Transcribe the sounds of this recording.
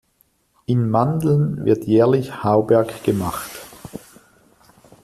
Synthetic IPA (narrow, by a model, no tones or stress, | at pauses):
ʔɪnmandl̩nvɪ̰ɐtʰjɛːɐlɪçhaʊbɛɐkɡ̥əmaχt